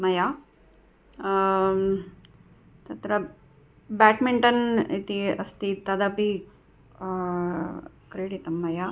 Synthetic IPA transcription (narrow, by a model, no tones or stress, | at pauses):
mɐja | t̪ɐt̪ɾɐ | baːʈmiɳʈɐnit̪iɐ̰st̪it̪ɐd̪ɐpi | kɾeːɽit̪ɐmːɐja